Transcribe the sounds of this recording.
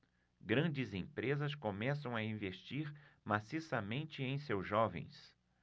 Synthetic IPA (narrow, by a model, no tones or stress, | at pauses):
ɡɾɐ̃nd͡ʒɪzẽpɾezɐskomɛsɐ̃w̃ɐĩveʃt͡ʃiɾmasisɐmẽnt͡ʃɪẽj̃sewzʒɔvḛ̃j̃s